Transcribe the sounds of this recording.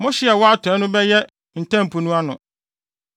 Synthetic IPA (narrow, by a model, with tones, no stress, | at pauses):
mʊ̃˦ɕɪ˦ɛ˨wɔ˦a˦tʰɔ˨˦nʊ̃˦bɛ˦jɛ˦ | n̩˨tʰã˦m˨pʰu˨nũ˦a˦nʊ̃˨